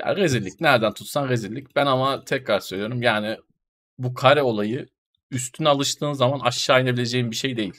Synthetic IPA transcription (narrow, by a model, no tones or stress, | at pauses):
ja̰ːɾe̞zilʲicnæɾd̪ænt̪ʰut̪sanɾe̞ziɾlʲːic̚bænamat̪ʰɛkɾaɾsøjlʲijoɾumjaːnɪ | bukʰaɾɛo̞lˠajɯ | yst̪ʰynalˠɯʃt̪ʰɯːnzamanaʃːaːjnabilʲe̞d͡ʒejimbiʃe̞jd̪e̞jilʲ